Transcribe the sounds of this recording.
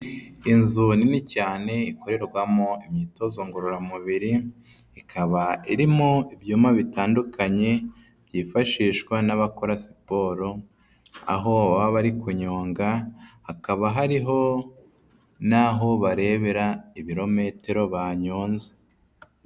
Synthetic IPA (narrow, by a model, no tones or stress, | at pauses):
inzuninicaːne̞iko̞ɾe̞ɾɡwamoimɲiːto̞zoŋɡuɾuɾamuβiɾi | ikʰaβaiɾimoiβjuːmaβitaːndukaɲe̞ | β̥ɟiːfaʃiːʃkwanaβako̞ɾasi̥po̞ːɾo | a̰ɦo̞βaaβaɾikuɲo̞ːŋɡahakaβaɦaɾiɦo̞ | naɦo̞βaɾe̞βeɾaiβiɾo̞me̞te̞ɾo̞βaːɲoːnze